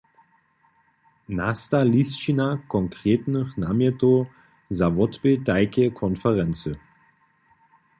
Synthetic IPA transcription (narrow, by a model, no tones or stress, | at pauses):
nastalist͡ʃinakʰɔŋkʁ̥eːtnəχnamɛto | zavɔtb̥edaɪkəkʰɔnfɛʁɛnt͡sə